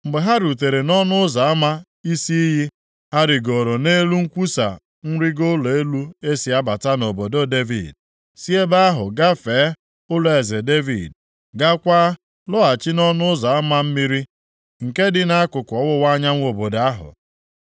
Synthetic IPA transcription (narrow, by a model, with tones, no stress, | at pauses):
m̩˨ɡ͡be˨ɦa˦ɾu˨t̬e˨ɾe˨nɔ˦nʊ˦ʊ˦za˨a˦ma˦ | i˦si˦i˦ɦi˦ | ha˦ɾɪ˨ɡo˨ɾo˨ne˦lu˦ŋ̩˦kʷu˦sa̰˨ | n̩˦ɾi˦ɡo˦lo˨e˦lu˦e˦si˨a˦ba˨ta˦no˨bo˨do˦de˦vḭ˨d̚ | si˦e˦ba˦a˦ɦʊ˨ɡa˦feː˨˦ | ʊ˦lo˦˨e˨ze˨de˦vḭ˨d̚ | ɡa˦kʷaː˦ | lʊ˦a˨t͡ʃɪ˦nɔ˦nʊ˦ʊ˦za˨a˦ma˦m̩˦mi˦ɾi˦ | ŋ̩˨ke˦dɪ˦na˦a˦kʊ˨kʷɔ˨wʊ˦wa˦ɲa˦ŋʷ˦o˨bo˨da˦ɦʊ̰˨